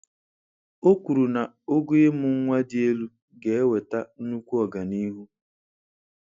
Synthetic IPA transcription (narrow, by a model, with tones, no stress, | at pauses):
o˦kʷu˨ɾu˨na˨ | o˦ɡu˦je˦mʊ˨ŋ̩˦ŋʷa˦dɪ˦e˦lu˦ | ɡe˨e˦we˨ta˦nu˦kʷu˦ɔ˨ɡa˨ni˦ɦu˦